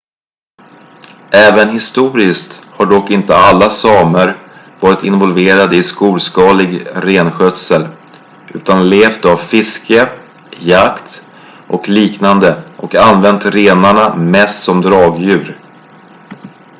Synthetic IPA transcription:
ʔɛːvənɦɪst̪uːɾɪskt̪haɖɔkːɪnt̪əalːasɑːməɾ | vɑːɾɪt̪ɪnvɔlveːɾad̪əɪskuːlskɑːlɪɡɾeːnɧœt̪səl | ʔʉ̟ːt̪anleːft̪avfɪskə | jakt̪ | ʔɔkliːknand̪əʔɔkanvɛnt̪ɾeːnaɳamɛst̪sɔmd̪ɾɑːɡjʉ̟ːɾ

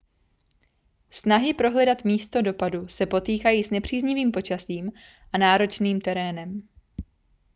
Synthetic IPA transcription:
snaɦɪpɾo̞ɦlɛdat̪miːst̪o̞do̞padusɛpo̞t̪iːkajiːsnɛpr̝̥iːzɲɪviːmpo̞t͡ʃasiːm | ʔanaːɾo̞t͡ʃniːmt̪ɛɾɛːnɛm

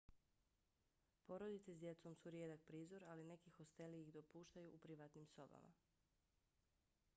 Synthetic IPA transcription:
po̞ɾod̪it̪sesd̪je̞t̪so̞msuɾjeːd̪ak̚pɾiːzo̞ɾaline̞kixo̞st̪e̞liiɣd̪o̞puːʃt̪ajuːpɾiʋat̪nimso̞ba̰ma̰

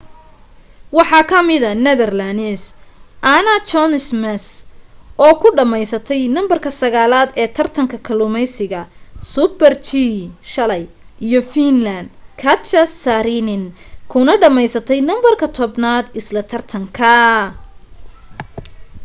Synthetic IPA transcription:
wɑħɑːkʰɐmɪðɐnɛðɐrlanɛsʔanɐt͡ʃɔnsmɛsʔɔːkʰʊɖɐmɛjsɐt̪ʰɛjnɐmbɐrkʰɐsɐɣaːlaːd̪ɛːt̪ʰɐrt̪ʰɐŋkʰɐkʰɐlʊmɛjsɪɣɐsʊbɛrt͡ʃiʃɐlɛj | ʔijɔfinlɐnd̪kʰɐt͡ʃɐsaɾɪnɪn | kʰʊnɐɖɐmɛjsɐt̪ʰɛjnɐmbɐrkʰɐt̪ʰɔbnaːd̪ɪslɐt̪ʰɐrt̪ʰɐŋkʰɐ

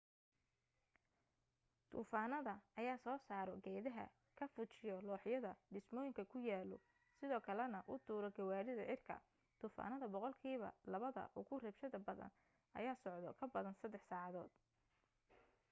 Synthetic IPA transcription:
t̪ʰṵːfaːnɐðɐɐjaːsɔːsaːɾɔɡɛːðɐɦɐ̰ | kʰɐfʊt͡ʃɪjɔlɔːħjɐðɐɖ̪ɪsmɔːjɪŋkʰɐkʰʊjaːlɔ̰ | sɪðɔːkʰɐlɛnɐʔʊt̪ʰuːɾɔɡɐwaːɾɪðɐʔɪrkʰɐ̰ | t̪ʰuːfa̰ːnɐðɐbɔqɔlkʰiːβɐ̰lɐβɐðɐ̰ʔʊɣʊrɛbʃɐðɐbɐðɐ̰n | ʔɐ̰jaːsɔʕd̪ɔkʰɐbɐðɐnsɐd̪ːɛħsaːʕɑðɔːd̪

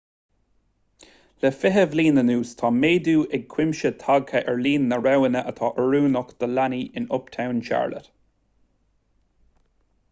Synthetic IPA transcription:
ləfɪɦəvliːnənuːst̪ʰɑːmeːd̪uːʔɛɡ̚kʰw̥ɪmʃət̪ʰaɡhəʔɛɹliːnːəɹawənəʔət̪ʰɑːʔəɹuːnʊkd̪̥əlaniʔɪnʊpt̪ʰawnʃa̰ɹlə̰t̪

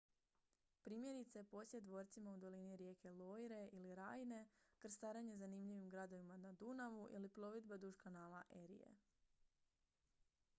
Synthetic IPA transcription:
pɾiːmje̞ɾit̪saepo̞sjed̪ʋo̞ːɾt̪simaud̪o̞liniɾje̞ːkʰe̞lojɾe̞ʔiliɾaːjne̞kɾ̩st̪aːɾaɲe̞zanimʎiʋimɡɾad̪o̞ʋimanad̪unaʋuʔḭlipɾo̞ʋid̪̚bad̪uʒkanaːlˠaʔe̞ɾḭjḛ

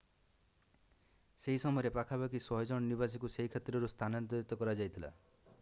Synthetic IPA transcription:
seɦisɔmɔɔɾepakʰabakisɔɦed͡ʒɔɽ̃ɔnibasikuseɦikʰet̪ɾɔɾust̪ʰanɔnt̪ɔɾit̪ɔkɔɾad͡ʒajt̪ʰila̰

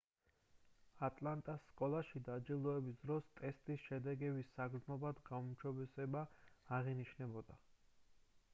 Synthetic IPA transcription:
at̪ʼlˠant̪ʼasːkʼɔlˠaʃid̪ad͡ʒilˠɔɛbisd̪ɾɔst̪ʼɛst̪ʼisʃɛd̪ɛɡɛbisːaɡɾznɔbad̪ɡaumʃɔbɛsɛbaːʁiniʃnɛbɔd̪a

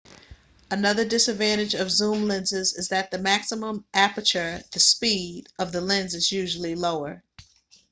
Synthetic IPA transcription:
ənʌðə˞dɪsɨdvæ̃ɾ̃ɨd͡ʒʌvzũmlɪ̃nzɪzɨzðɨt̪̚ðɨmæksəmə̃mʔæpə˞t͡ʃə˞ðɨspiɾʔʌvðəlɪ̃nzɨzjʉʒl̩ˠiloʊə˞

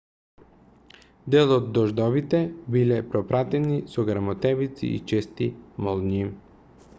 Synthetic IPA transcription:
d̪ɛlˠod̪ːɔʒd̪ɔvit̪ɛbilɛpɾɔpɾat̪ɛnisɔɡɾamɔt̪ɛvit̪sḭḭt͡ʃɛst̪imɔlˠni

